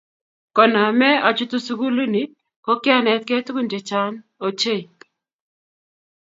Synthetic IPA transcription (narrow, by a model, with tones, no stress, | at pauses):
kɔ˨na˨mɛ˦a˨t͡ʃu˦t̪u˦su˦ɡu˦lu˦ni˨˦ | ko˦kɪ˦a˦nɛ˨t̪̚ke˦tku˦nd͡ʒe˨t͡ʃa˦n | o˨t͡ʃe˦˨